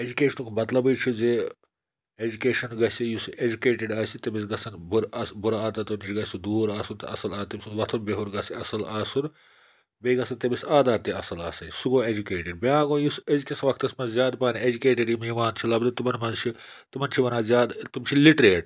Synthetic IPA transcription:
ed͡ʒukʲeːʃɐnukʰmɐt̪lɐbɨjt͡ʃʰize | ed͡ʒukeːʃɐnɡɐsijused͡ʒukeːʈeɖaːsit̪ɐbisɡɐsɐnbuɾɐsbuɾaaːd̪at̪unit͡ʃʰiɡɐsid̪uːɾaːsunt̪ɐ̰ɐ̰sɐlaːt̪ːɐbʲisunʋɐt̪ʰunbeɦuɾɡɐsiɐsɐlaːsun | beːɡɐsɐnt̪ɐbisaːd̪aːt̪ːiɐsɐlaːsɐjsuɡoːed͡ʒukeːʈiɖ̚biãːɡõːjusezkʲɐsɐʋɐk̚ʰt̪ɐsmɐzzjaːd̪paːnied͡ʒukeːʈiɖimiʋaːnt͡ʃʰilɐbd̪ɨt̪umɐnmɐzt͡ʃʰi | t̪umɐnt͡ʃʰiʋɐnaːzjaːd̪t̪umt͡ʃʰiliʈɾeːʈ

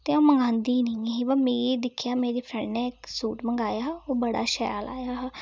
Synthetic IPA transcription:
t̪eːõːməŋɡãːnd̪iːnəĩeɦibəmeːɾeːd̪ɪkʰjaːmeːɾeːpʰɾɛ̃ːɳɖneːɪksuːʈməŋɡaːjaːoːbəɽa̰ːʃaja̰ːlʔa̰ːjaːɦ

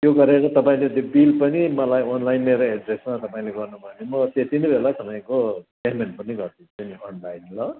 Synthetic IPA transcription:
t̪joɡʌɾeɾʌt̪ʌpaĩleut̪jobilpʌnimʌlajʌnlajnmeɾoeɖresmat̪ʌpaĩleɡʌrnubʱʌnemʌt̪et̪inʌbʱelat̪ʌpaĩko | emenpʌniɡʌrt̪ʰĩtʌnionlajnlʌ

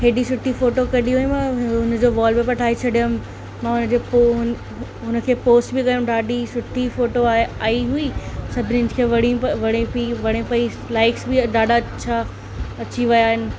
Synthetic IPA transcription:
ɦeːɗisʊʈʰːifoːʈokɐɗiɦʊ̃mɐ̃ʊn̆d͡ʑoːʋaːlbɪpɐʈʰaːɦet͡ɕʰɐɗijʊm | mãːʊnə̆d͡ʑeːpoɦʊ | ɦʊnəkʰeːpoːsʈbɪkɐjʊ̃mɖaːɗisʊʈʰifoːʈoaːɦeaːiɦuisɐbʱɪnɪ̃ɪ̃d͡ʑkʰeːʋɐɽiʋɐɽ̃ẽpiʋɐɽ̃ẽpɐi | laːɪksbɪd̪aːɖat͡ɕʰaː | ɐt͡ɕiʋɐjaːɦɪnɪ̆

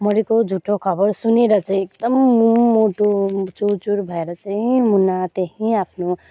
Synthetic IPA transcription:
mʌɾikod͡zʱuʈʰːokʰʌbʌɾsuneɾʌt͡sʌɦĩek̚d̪ʌmːumoʈot͡ʃuɾt͡ʃuɾbʱʌeɾʌt͡sʌɦĩmunat̪eɦĩapʰno

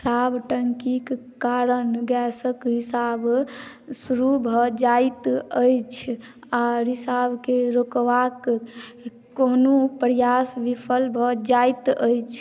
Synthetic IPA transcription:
kʰɾabʈəŋkik | kaɾənɡɛsəkɾisab | suɾubʱɔd͡ʒajt̪əjt͡ʃʰ | aɾisabkeɾokʋak | konupɾjasʋipʰəlbʱɔd͡ʒajt̪əjt͡ʃʰ

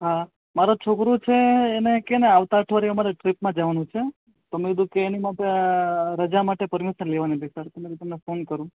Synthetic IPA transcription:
ɦa | maɾot͡ʃʰokɾut͡ʃʰeːnekeneaʋt̪aəʈʰʋaɾiəmaɾeʈɾipmãd͡ʒaʋanũt͡ʃʰe | t̪omeid̪ũkeːnimaʈeɾəd͡ʒamaʈepəɾmiʃəɾleʋanib̪isəɾt̪əmeɾit̪əmnefonkəɾũ

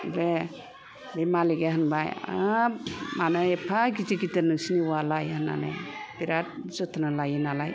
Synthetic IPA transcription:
be | bemaliɡeɦɯnbaja | manɯepʰaɡid͡ʒiɡidɯɾnɯŋsiniwalajhana̰na̰biɾat̚zɔt̪ʰnalajinalaj

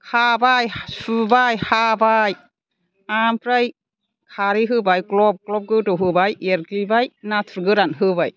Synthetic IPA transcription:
kʰabajsɯbajhabaj | ampʰɾaj | kʰaɾiɦɯbajklɔp̚klɔp̚ɡɯtɔɦɯbajeɾkibajnatʰɾɡɯɾanɦɯbaj

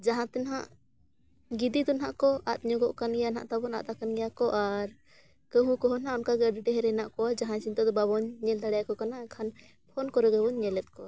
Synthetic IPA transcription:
d͡ʒaɦãt̪ɛnɦaʔ | ɡid̪it̪ɔnɦaʔkɔat̪̚ɲɔɡɔʔkanɡɛjana̰ʔt̪abɔna̰ʔt̪akanɡɛjakɔʔaɾ | kəɦũkɔɦɔnaɔnkaɡɛəɖɛʈɛɦɛɾɛnaʔkɔad͡ʒaɦãsint̪ad̪ɔbabɔɲɲɛld̪aɽɛjakɔkanaɛkʰan | pʰɔnkɔɾɛɡɛbɔɲɲɛlɛt̪̚ˀkɔ

